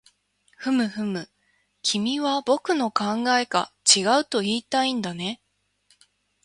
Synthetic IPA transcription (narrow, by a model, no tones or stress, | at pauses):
ɸɯ̟mɯ̟ɸɯ̟mɯ̟ | kʲʰimʲiβabo̞kɯ̟no̞kãŋɡae̞ka̰t͡ɕiɡaɯ̟t̪o̞iːt̪aĩnd̪ane̞